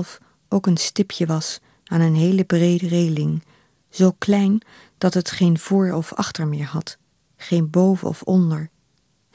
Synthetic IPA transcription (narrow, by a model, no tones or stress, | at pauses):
lˠf | ʔowkənstɪpʰjəʋɑs | aːnənɦejləbrejdərejlɪŋ | z̥owklɛjn | d̥ɑtɦətχejnv̥ʊːɹɔfɑ̰χtəɹmɪːɹɦɑt | χejnbowvə̰ɔ̰fɔndəɹ